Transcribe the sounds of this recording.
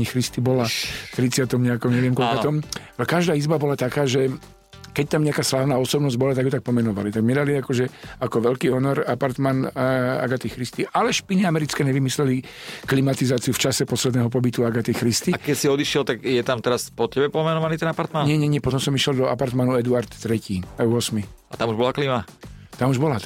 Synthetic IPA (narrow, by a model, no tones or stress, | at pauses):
ixɾist̪ibɔlaft̪ɾit͡sɪat̪ɔmɲɛakɔmɲɛʋɪɛmkɔlkkɔt̪ɔmkaʒd̪aːizbabɔlat̪akaːʒɛ | kɛc̚t̪amɲɛakaːslaːʊnaːɔsɔbnɔzɟbɔlat̪aɡjɔt̪ak̚pɔmɛnɔʋa̰lit̪aɡmɛd̪aliakɔʒɛakɔʋɛʎkiːɦɔnɔɾapaɾt̪mana̰ɡat̪ixɾist̪iʔalɛʃpiniamɛɾit͡skɛːɲɛʋimislɛli | klimat̪izaːt͡siuft͡ʃasɛpɔslɛd̪nɛːɦɔp̬ɔbit̪uaɡat̪ixɾist̪iakɛcsiɔd̪iʃɪɛlt̪aɡjɛt̪amt̪ɛɾaspɔcɛbɛpɔmɛnɔʋanit̪ɛnapaɾt̪manɲɛɲɛɲɛpɔt̪ɔ̃msɔmiʃjɛld̪ɔa̰paɾt̪manuɛd̪uaɾt̪ːɾɛciːuɔsmia̰t̪amuʒbɔlaklima | t̪amuʒbɔlat̪